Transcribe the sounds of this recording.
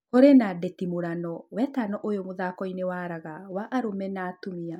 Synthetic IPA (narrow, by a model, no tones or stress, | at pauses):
koɾenadetimoɾanɔwɛtanɔʔojomoðaːkɔinewaɾaɣawaʔaɾomɛnaːtomia